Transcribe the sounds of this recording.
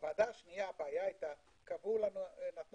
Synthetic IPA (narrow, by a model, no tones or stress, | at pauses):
vad̪aʃnijapajajt̪a | kabulanunat̪n